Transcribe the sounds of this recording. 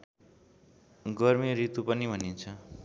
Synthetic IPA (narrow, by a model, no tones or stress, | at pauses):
ɡʌrmiɾit̪upʌnibʱʌnint͡sʰʌ